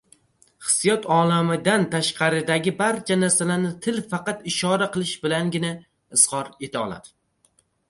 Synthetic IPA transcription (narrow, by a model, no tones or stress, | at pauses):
χɨ̥sːijɒt̪ʰɒlˠamɪd̪ant̪ʰaʃqʰɑɾɪd̪aɡʲɪbaɾt͡ʃʰanaɾsalanɪt̪ʰɪlfɑqɑt̪ɪʃɒɾaqɨlˠɪʃbɪlaŋɡʲɪna | ɪsqɒɾe̞t̪ʰaɒ̰lˠa̰d̪̥ɪ